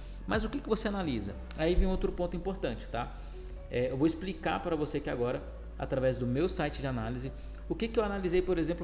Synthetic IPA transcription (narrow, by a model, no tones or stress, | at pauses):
mɐzʊkɪkɪvoseanalizɐ̰ | aivẽj̃owt̪ɾʊpõnt̪ʊĩmpoɾt̪ɐ̃t͡ʃɪ̥t̪a | ɛewvowɪsplika̰ɾpaɾɐvoseɐkiaɡɔɾɐ | a̰t̪ɾavɛzd̪ʊmewsajt͡ʃɪd͡ʒɪanalizɪ | ʊkɪkɪewanalizejpoɾezẽplʊ